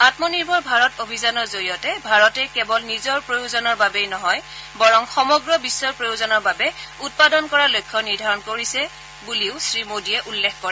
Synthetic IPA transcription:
atmɔniɹbʱɔɹbʱaɹɔtobʱizanɔɹzoɹijɔtɛbʱaɹɔtɛkɛbɔlnizɔɹpɹojuzɔnɔɹbabejnɔɦɔjbɔɹɔŋxɔmɔɡɹɔbisːɔɹpɹojuzɔnɔɹbabɛut̚padɔnkɔɹalojkʰːɔniɹdʱaɹɔnkoɹisɛ | buliʊsɹimodiɛʔulːɛkʰkɔɹɛ

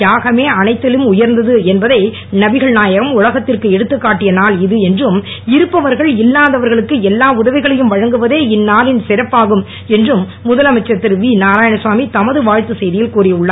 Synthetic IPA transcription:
jaːɣɐmeːɐnɐɪt̪ːɪlɯmʊjɐɾnd̪ɐðɯɛnbɐðɐɪ | nɐbɪɣɐɭnaːjɐɣɐmʊlɐɣɐt̪ːɪrkɯɛɽɯt̪ːɯkːaːʈːɪjɐnaːlɪðɯɛndrɯm | ɪɾɯpːɐʋɐɾɣɐɭɪlːaːðɐʋɐɾɣɐɭɯkːɯɛlːaːʊðɐʋɪɣɐɭɐjɯmʋɐɻɐŋɡɯʋɐðeːɪnːaːlɪnsɪɾɐpːaːɣɯm | ɛndrɯmːʊðɐlɐmɐɪt͡ʃːɐt̪ːɪɾʋiːnaːɾaːjɐnɐsʋaːmit̪ɐmɐðɯʋaːɻt̪ɯsɛjðɪjɪlkuːrɪʊɭːɐa

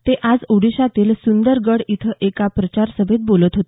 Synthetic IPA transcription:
t̪eʔad͡zuɽiɕat̪iːlsund̪əɾɡəɽit̪ʰəʔekapɾət͡ɕaɾsəbʱit̪̚bolət̪ɦot̪

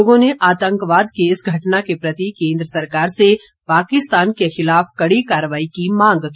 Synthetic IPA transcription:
oːɡõneʔaːt̪ə̃ŋkʋaːd̪keɪsɡʱɐʈnakepɾɐt̪ikẽːnd̪ɾəsɐɾkaːɾse | paːkɪst̪aːnkexɪlaːfkɐɽikaːɾəʋaːikimãːŋ̆ɡki

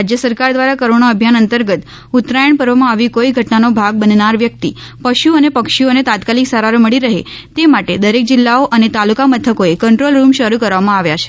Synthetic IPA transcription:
ad͡ʒjəsəɾkaɾd̪ʋaɾakəɾoɳoəbʱjanənt̪əɾɡət̪ | ʊt̪ɾajəɳpəɾʋmãaʋikoiɡʱəʈnanobʱaɡ̚bənnaɾʋjək̚t̪i | pəʃuənepəkʃionet̪at̪kaliksəɾaɾməɭiɾəɦet̪emaʈed̪əɾek̚d͡ʒɪlːaoʔənet̪alukamət̪ʰəkoekəɳʈɾolɾumʃəɾukəɾʋamãaʋjat͡ʃʰe̥

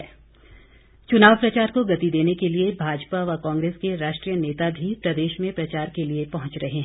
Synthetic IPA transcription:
t͡ʃʊnaːʋpɾɐt͡ʃaːɾkoɡɐt̪id̪eːnekeliebʱaːd͡ʒpaʋɐkãːŋɡɾeːskeɾaːʃʈɾijəneːt̪abʱipɾɐd̪eːʃmẽpɾɐt͡ʃaːɾkeliepɐɦʊ̃t͡ʃɾɐɦeɦɛ̃ː

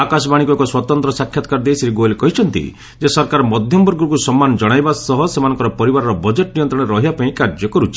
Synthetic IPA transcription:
akasɔbaɽ̃ikɔkuswɔt̪ɔnt̪ɾɔsakʰːjat̪ɔ̥kaɾd̪ejsɾiɡolekɔɦit͡ʃʰɔnt̪ḭ | d͡ʒesɔɾkaɾɔmɔd̪ʱjɔmbɔɾɡɔɾkusɔmːanɔd͡ʒɔɽ̃ajbasɔɦɔsemanɔ̃ŋkɔɾɔpɔɾibaɾɔɾɔbɔd͡ʒeʈnijɔnt̪ɾɔɽ̃eɾɔɦibapaĩkaɾd͡ʒɔkɔɾut͡ʃʰi̥

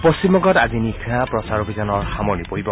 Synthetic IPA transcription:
pɔsimɔɡɔtazinikʰiapɹɔsaɾubʱizanɔɹxamɔnipoɦibɔ

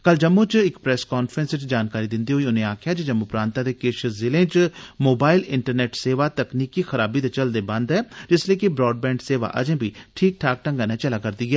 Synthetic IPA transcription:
kəld͡ʒəmːõːt͡ʃɪkpɾɛːskɔːnfʰɾə̃nsɪt͡ʃd͡ʒaːnkaːɾiːd̪ɪ̃nd̪iːɦoːiʊnẽːaːkʰjaːd͡ʒed͡ʒəmːupɾãːnt̪ãːd̪eːkɪʃəzɪlẽːt͡ʃmoːbaːɪlɪɳʈəɾnɛːʈseːʋaːt̪əkniːkixəɾaːbiːt̪et͡ʃəld̪eːbə̃nd̪ɦɛːd͡ʒɪslieːkibɾɔːɖ̚bɛ̃ːɳɖseːʋa̰ːʔə̰d͡ʒẽːbʱiːʈʰiːk̚ʈʰaːk̚ʈə̃ŋɡaːnɛ̃ːt͡ʃəlaːkəɾd̪iːɡɛː

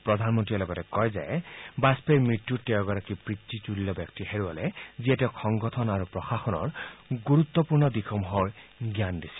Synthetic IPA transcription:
pɹɔd̪ʱanmɔntilɔɡɔtɛkɔjza̰ebaspeɹmɹit̪jutewɔɡɔɾakipɹit̪ːituliːɔbjɔk̚tiheɹuɔlɛziɛtɛxʰɔŋɡɔtʰɔnaɾupɹɔxaxɔnɔ̰ɹɡuɾut̪ːɔpuɹnɔd̪ixʰɔmɦɔɹɡjandisi̥

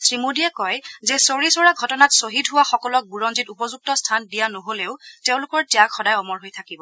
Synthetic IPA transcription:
sɹimodiɛkɔjzɛsoɹisɔɹaɡʱɔtɔnatsoɦidɦʊwaxɔkɔlɔk̚buɹɔnzitupɔzuk̚tɔstʰandijanoɦoleʊteʊ̃lʊkɔɹtijakxɔdajɔmɔɹɦojtʰakibɔ

